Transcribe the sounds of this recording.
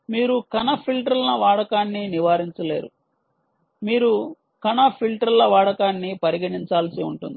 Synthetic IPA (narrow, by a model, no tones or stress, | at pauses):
miːɾukɐnɐpʰilʈɾɐlnɐʋaːɽɐkaːnːiniʋaːɾiɲt͡ʃɐlḛːɾṵ | miːɾu | kɐnɐpʰilʈɾɐlːɐʋaːɽɐkaːnːipɐɾiɡɐniɲt͡ʃaːlsiuɳʈṵnd̪i